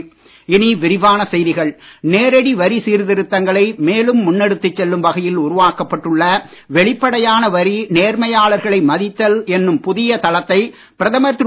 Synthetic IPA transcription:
ɪniʋɪɾɪʋaːnɐsɛjðɪɣɐɭneːɾɐɽiʋɐɾisiːɾðɪɾɯt̪ːɐŋɡɐɭɐɪmeːlɯmːʊnːɛɽɯt̪ːɯt͡ʃːɛlːɯmʋɐɣɐjɪlʊɾʊʋaːkɐpːɐʈːɯɭːɐ | ʋɛɭɪpːɐɽɐjaːnɐʋɐɾineːɾmɐjaːɭɐɾɣɐɭɐɪmɐðɪt̪ːɐlɛnːɯmpʊðɪjɐt̪ɐlɐt̪ːɐɪ | pɪɾɐðɐmɐɾt̪

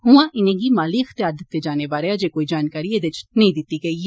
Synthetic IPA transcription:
ɦʊãːʔɪnẽːɡiːmaːliːəxt̪ɪjaːɾd̪ɪt̪ːeːd͡ʒaːneːbaːɾead͡ʒeːkoːiːd͡ʒaːnkaːɾiːeːd̪et͡ʃnəĩːd̪ɪt̪ːiːɡəiː

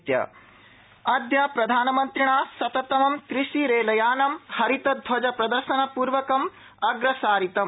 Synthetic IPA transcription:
t̪jɐ̰ | ɐd̪jaːpɾɐd̪ʱaːnɐmɐnt̪ɾiɳaːsɐt̪ɐt̪ɐmɐmkɾiʃiɾeːlɐjaːnɐmhɐɾit̪ɐd̪ʱʋɐd͡ʒɐpɾɐd̪ɐɾʃɐnɐpuːɾʋɐkɐm | ɐɡɾɐsaːɾit̪ɐm

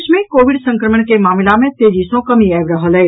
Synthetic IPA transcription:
ʃmẽkoːʋɪɖsə̃ŋkɾəməɳ̃kemaːmɪlamẽt̪eːd͡ʒisõkɐmiaʋɾəɦəlɛː

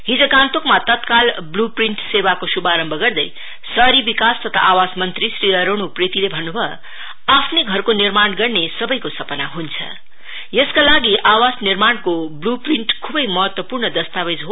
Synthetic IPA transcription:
ɦid͡zokãnt̪okmat̪ʌt̪kalblupriɳʈsewakosubaɾʌmbʱʌɡʌrd̪ʌj | sʌɾibikast̪ʌt̪ʰa̰ʔawasmʌnt̪ɾisɾiʌɾonupret̪ilebʱʌnːubʱʌ | apʰneɡʱʌrkonirmanɡʌrnesʌbʌjkosʌpʌnaɦunt͡sʰʌ̰ | jʌskalaɡiʔawasnirmankoblupriɳʈkʰubʌjmʌɦʌt̪wʌpurnʌd̪ʌst̪awed͡zɦo

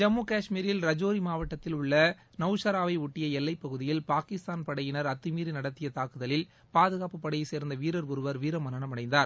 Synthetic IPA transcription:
d͡ʒɐmːuːkaːʂmiːɾɪlɾɐd͡ʒoːɾimaːʋɐʈːɐt̪ːɪlʊɭːɐ | nɐʊʂɐɾaːʋɐɪʊʈːɪjɐɛlːɐɪpːɐɣɯðɪjɪlpaːkɪst̪aːnpɐɽɐjɪnɐɾɐt̪ːɯmiːɾinɐɽɐt̪ːɪjɐt̪aːkɯðɐlɪl | paːðɯɣaːpːɯpːɐɽɐjɐɪseːɾnd̪ɐʋiːɾɐɾʊɾɯʋɐɾʋiːɾɐmɐnɐɳɐmɐɽɐɪnd̪aːɾ

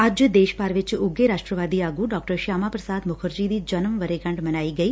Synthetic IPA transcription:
əd͡ʒd̪eːʃpaːɾʋɪt͡ʃʊɡeɾaːʃʈɾəʋaːd̪iːaːɡuɖɔːkʈəɾʃaːmapɾəsaːd̪mʊkʰəɾd͡ʒiːd̪iːd͡ʒɐnəmʋəɾeɡɐ̃ɳɖmɐnaːiːɡəiː

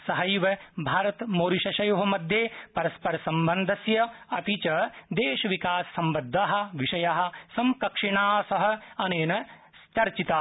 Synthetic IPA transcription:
sɐɦɐjʋɐbʱaːɾɐt̪moːɾiʃɐʃɐjoːɦɐ̆mɐd̪ʱjeːpɐɾɐspɐɾɐsɐmbɐnd̪ʱɐsjɐɐt̪it͡ʃɐd̪eːʃɐʋikaːsːɐmbɐd̪ʱːaːɦɐ̆ʋiʃɐjaːɦɐ̆sɐmkɐkʂiɳaːsɐɦɐ̆ɐneːnɐ | st͡ʃɐɾt͡ʃit̪aː

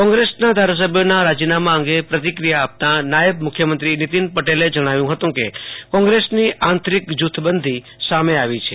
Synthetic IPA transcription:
kɔ̃ŋɡɾesnad̪ʱaɾas̬əbʱjonaɾad͡ʒinamaə̃ŋɡepɾət̪̬ikɾijaːp̚t̪anajəb̚mʊkʰjəmənt̪ɾinit̪inpəʈeled͡ʒəɽ̃aʋjũɦət̪ũkekɔ̃ŋɡɾesniʔant̪ɾikd͡ʒut̪ʰːbənd̪ʱi | sameaʋit͡ʃʰe

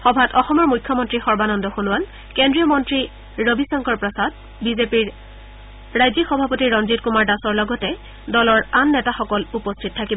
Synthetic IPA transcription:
xɔbʱatɔxɔmɔɹmujkʰːɔmɔntɹixɔɹbanɔndɔxonʊwal | kendɹijɔmɔntɹi | ɹobisɔŋkɔɹpɹɔsad | bizepiɹ | ɹajzixɔbʱapotiɹɔnzit̚kumaɹdasɔɹlɔɡɔtɛ | dɔlɔɹanːɛtaxɔkɔlupɔstʰitɔtʰakibɔ

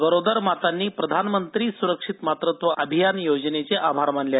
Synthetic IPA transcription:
bəɾod̪əɾmat̪anːiːpɾəd̪ʱanmənt̪ɾiːsuɾəkʂit̪mat̪ɾət̪ʋəʔəbʱijanjod͡znet͡seʔabʱaɾm̤əɳlja

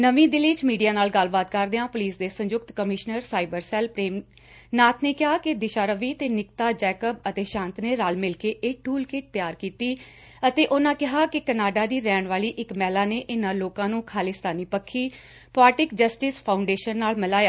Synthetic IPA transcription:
nəʋĩːd̪ɪliːt͡ʃmiːɖijaːnaːlɡəlbaːd̪kəɾd̪eːãːpʊliːsd̪eːsə̃ɲd͡ʒʊkt̪kəmɪʃnəɾsaːɪbəɾsɛːlpɾeːm | naːt̪ʰneːkɪɦaːkɪd̪ɪʃaːɾəʋiːt̪eːnɪkt̪aːd͡ʒɛːkəb̚ət̪eːʃãːnt̪neːɾaːlmɪlkeːʔeːʈʰuːlkeʈ̚t̪ɪjaːɾkiːt̪iː | ət̪eːʔʊnãːkɪɦaːkɪkənaːɖaːd̪iːɾɛːɳʋaːliːʔɪkmɛːlaːneːʔɪnãːloːkãːnũːkʰaːlɪːst̪aːniːpəkʰːiː | paːʈɪkd͡ʒəsʈɪːspʰaːʊɳɖeːʃənːaːlmɪlaːjaː

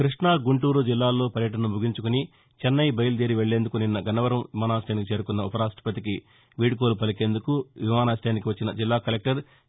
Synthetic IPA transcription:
kɾiʂɳaːɡuɳʈuːɾud͡ʒilːaːlːo̞ːpɐɾjɐʈɐnɐmbʱuɡiɲt͡ʃukuni | t͡ʃɛnːɐjbɐjɐlud̪eːɾiʋeɭːe̞ːnd̪ukuninːɐɡɐnɐʋɐɾɐmʋimaːnaːsʈjaːnikit͡ʃeːɾukunːɐupɐɾaːsʈɐ̥pɐt̪̬iki | ʋiːɽik̬oːlupɐlike̞ːnd̪ukuʋimaːnaːsʈajːnikiʋɐt͡ʃːinɐd͡ʒilːaːkɐlek̚ʈɐɾ

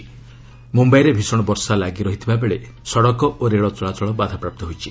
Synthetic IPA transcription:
mumbajɾebʱisɔɽ̃ɔbɔɾsalaɡiɾɔɦit̪ʰibabeɭe | sɔɽɔkɔʔoɾeɭɔt͡ʃɔɭat͡ʃɔɭɔbad̪ʱapɾap̚t̪ɔɦojt͡ʃʰi

